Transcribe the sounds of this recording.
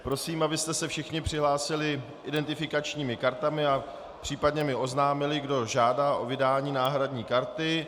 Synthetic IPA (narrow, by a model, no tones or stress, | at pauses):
pɾo̞siːmʔabɪst̪ɛsɛfʃɪxɲɪpr̝̥ɪɦlaːsɪlɪ | ʔɪdɛnt̪ɪfɪkat͡ʃɲiːmɪkaɾt̪amɪa | pr̥iːpadɲɛmɪo̞znaːmɪlɪɡdo̞ʒaːdaːʔo̞vɪdaːɲiːnaːɦɾadɲiːkaɾt̪ɪ